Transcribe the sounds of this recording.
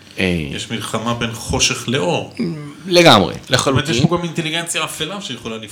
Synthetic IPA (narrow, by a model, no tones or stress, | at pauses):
ḛjeʃmilχamabe̞nχo̞ʃe̞χleʔo̞ʁleɡamʁḛleχalumet̪jeipoɡamint̪eliɡent͡sjaːfelaʃejeχolanif